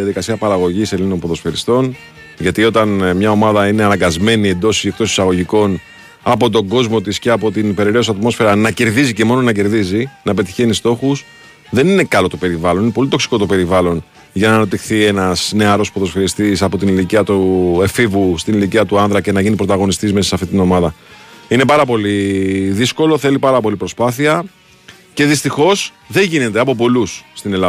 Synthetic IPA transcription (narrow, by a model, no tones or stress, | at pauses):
iɐðikɐsiɐpɐɾɐɣo̞ʝise̞lino̞npo̞ðo̞sfe̞ɾist̪o̞n | ʝɐt̪io̞t̪ɐnmɲɐo̞mɐðɐine̞ɐnɐŋɡɐzme̞nie̞nd̪o̞siekt̪o̞si̥sɐɣo̞ʝiko̞n | ɐpo̞t̪o̞ɡo̞zmo̞t̪isceɐpo̞t̪inipe̞ɾeɾeosɐt̪mo̞sfe̞ɾɐnɐce̞ɾðizice̞mo̞no̞nɐce̞ɾðizinɐpe̞t̪i̥çe̞nist̪o̞xus | ðe̞nine̞kɐlo̞t̪ope̞ɾivɐlonine̞po̞lit̪o̞ksi̥ko̞t̪o̞pe̞ɾivɐlo̞n | ʝɐnɐːnɐp̚t̪ixθie̞nɐsne̞ɐɾo̞spoðo̞sfiɾist̪isɐpo̞t̪iniliciɐt̪uefivust̪iniliciɐt̪uɐnðɾɐce̞nɐʝinipɾo̞t̪ɐɣo̞nist̪izmesisɐft̪it̪ino̞mɐðɐine̞pɐɾɐpo̞liðisko̞lo̞θe̞lipɐɾɐpo̞lipɾo̞spɐθiɐ | ce̞ðist̪ixo̞s | ðe̞ɲʝine̞t̪eɐpo̞p̬o̞lusːt̪ine̞lɐ